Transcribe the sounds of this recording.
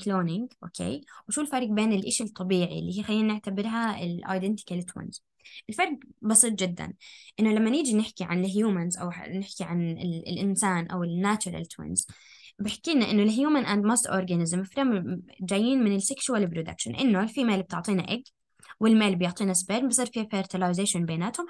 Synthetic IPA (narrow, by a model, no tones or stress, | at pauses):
kloːnɪŋɡʔo̰ːkʰḛːwʃuːlfɑɾˤɡbeːnɪlʔɪːʃɪlt̪ˤːɑbiːʕḭlːiːhiːxalːiːnːɪʕt̪abɪɾɦaɪlʔa̰ːjd̪ɛnt̪ɪ̥kalt̪wɪ̰nz̥ | ʔɪlfɑɾˤɡbɑsˤiːt̪ˤd͡ʒɪd̪ːa̰nʔɪnːʊlamːanɪːd͡ʒinɪħkiʕa̰nɪlɦjuːmanzʔa̰wnɪħkiʕanɪlʔɪnsaːnʔa̰wɪnːaːt͡ʃʊɾˤa̰lt̪ʰwɪ̰nz | bɪħḁkːiːnaʔɪnːʊlɦjuːmanʔand̪mast̪ʔoɾɡanɪzmɪfɾamd͡ʒaːjːiːnmɪnɪlsɪkʃuwalːɪbɾud̪a̰kʃa̰nʔɪnːofimeːlb̚t̪ɪʕt̪ˤiːnaʔɪɡ | wɪlmeːlbɪjʊʕt̪ˤiːnasbeːɾmbɨsˤiːɾˤfifeɾt̪ɪlajzeːʃʊnbeːnaːt̪hʊm